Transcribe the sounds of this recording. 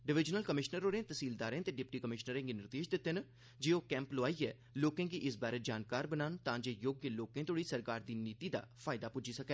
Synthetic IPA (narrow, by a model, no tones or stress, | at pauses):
ɖɪʋɪd͡ʒnəlkəmɪʃnəɾoːɾẽːt̪əsiːld̪aːɾẽːt̪eːɖɪp̚ʈiːkəmɪʃnəɾẽːɡiːnɪɾd̪eːʃd̪ɪt̪ːen | d͡ʒeːoːkɛ̃ːmploːaːiːɛː | loːkẽːɡiːʔɪsbaːɾeːd͡ʒaːnkaːɾbənaːnt̪ãːd͡ʒeːjoːɡjəloːkẽːt̪oːɽiːsəɾkaːɾd̪iːniːt̪iːd̪a̰ːpʰaːɪd̪aːpʊd͡ʒiːsəkɛː